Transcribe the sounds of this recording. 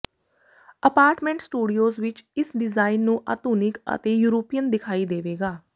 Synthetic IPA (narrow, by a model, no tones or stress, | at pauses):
əpaːɾʈmɛ̃ːɳʈsʈuːɖioːzʋɪt͡ʃɪsɖɪzaːɪnːũːʔa̰ːt̪uːnɪkə̰t̪eːjuːɾoːpijənd̪ɪkʰaːiːd̪eːʋeːɡaː